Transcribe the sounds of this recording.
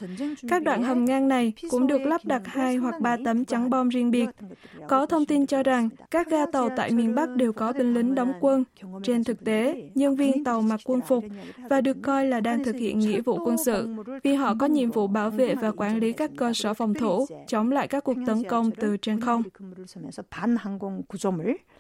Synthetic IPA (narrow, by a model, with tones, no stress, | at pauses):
kaː˦˥k̚ɗwa̰ː˧˨nɦə˨˩mŋaː˧ŋna˨˩jkʊ̰˧˥ŋ͡mɗɨ˨˩ək̚la˦˥p̚ɗa˨˩t̚haː˧jɦwa˨˩k̚ɓaː˧t̪ə˨˦mt͡ɕa˨˦ŋɓɔ˧mzi˧ənɓi˨˩ət̚kɔ˨˦t̪ʰə˧wŋ͡mt̪i˧nt͡ɕɔ˧za˨˩ŋkaː˦˥k̚zaː˧t̪ə˨˩wt̪a̰ː˧˨jmi˨˩nɓa˦˥k̚ɗe˨˩wkɔ˨˦ɓï˧ŋ̟li˨˦ŋ̟ɗɔ˨˦wŋ͡mkwə˧nt͡ɕe˧nt̪ʰɨ˨˩k̚t̪e˨˦ɲə˧nvi˧ənt̪ə˨˩wma˨˩t̚kwə˧nfʊ˨˩k͡p̚vaː˨˩ɗɨ˨˩əkːɔ˧jlaː˨˩ɗaː˧ŋt̪ʰɨ˨˩k̚hḭ˧˨ənŋḭ˧˥vṵ˧˨kwə˧nsɨ̰˧˨vi˨˩ɦɔ̰˧˨kɔ˨˦ɲḭ˧˨əmvṵ˧˨ɓaː˧˩wvḛ˧˨vaː˨˩kwaː˧˩nli˨˦kaː˦˥kːəː˧səː˧˩fɔ˨˩wŋ͡mt̪ʰu˧˩˥t͡ɕə˨˦wŋ͡mla̰ː˧˨jkaː˦˥kːu˨˩ək̚t̪ə˨˦nkə˧wŋ͡mt̪ɨ˨˩t͡ɕe˧nxə˧wŋ͡m | a˧ŋkŋku˨˧t͡ɕo˧mi˨˦